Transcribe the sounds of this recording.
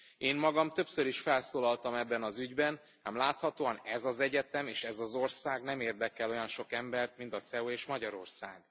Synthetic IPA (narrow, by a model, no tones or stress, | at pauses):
eːmmɒɡɒmt̪ø̞psøɾiʃfɛlsoːlɒlt̪ɒmɛbːɛnɒzyɟbɛn | a̰mlaːt̪hɒt̪oːɒnɛzɒzɛɟɛt̪ɛmeːʃɛzɒzo̞rsaːɡnɛmeːrd̪ɛkɛlo̞jɒnʃo̞kɛmbɛrt̪̚mint̪ɒt̪sɛoeːʃmɒɟɒɾo̞rsaːɡ̚